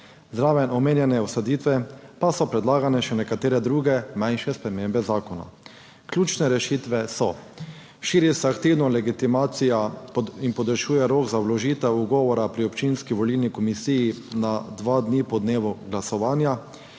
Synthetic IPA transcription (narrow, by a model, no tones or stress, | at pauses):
zd̪ɾaːʋɛnɔmeːnjɛnɛwsɔd̪iːt̪ʋɛpasɔpɾɛd̪laːɡanɛʃɛnɛkat̪eːɾɛd̪ɾuːɡɛmãjnʃɛspɾɛmeːmbɛzaːkɔna̰ | klʲjuːt͡ʃnɛɾɛʃit̪ʋɛsɔ | ʃiːɾisɛakt̪iwnɔlɛɡit̪imaːt̪sijainpɔd̪ɾɛʃuːjɛɾoːɡzawlɔʒiːt̪ɛwuɡɔːʋɔɾapɾiɔpt͡ʃinskiʋɔlilnikɔmisiːjinad̪ʋad̪nipɔd̪neːʋuɡlasɔʋaːnja